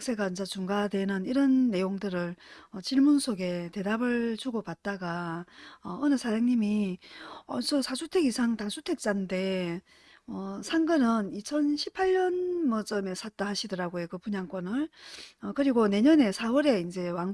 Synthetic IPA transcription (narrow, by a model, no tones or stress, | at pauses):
k̚s͈ʰe̞ɡaint͡ɕ͈at͡ɕuŋɡadwe̞nɯniɾʌnːe̞joŋdɯɾɯɭʌt͡ɕiɭmunsʰoɡe̞te̞dabɯɭt͡ɕuɡopat̚t͈aɡa | ʌʌnɯsʰajaŋɲimi | ʌsʰʌsʰasʰutʰe̞ɡisʰaŋtasʰutʰe̞k̚t͡ɕ͈ande̞ | ʌsʰaŋɡɯnɯnit͡ɕʰʌnɕʰipʰaʎɲʌnmʌt͡ɕ͈ʌme̞sʰat̚t͈ahaɕʰidɯɾaɡojokɯpuɲaŋk͈wʌnɯɭʌkɯɾiɡone̞ɲʌne̞sʰaɯɾe̞ind͡ʑe̞waŋ